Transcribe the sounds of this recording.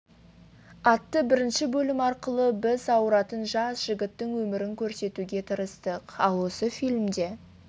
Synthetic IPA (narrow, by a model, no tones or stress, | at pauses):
ɑt̪ːəbɪɾɪnʃɪbɵlɪmɑɾqəlˠəbɪzɑwɾɑt̪ənʒɑsʒ̥ɪɡʲɪt̪ːɪŋwɵmɪɾɪŋkʲʰɵɾse̞t̪uɡʲe̞t̪ʰəɾəst̪əqɑlˠwo̞səfijlʲmd̪e̞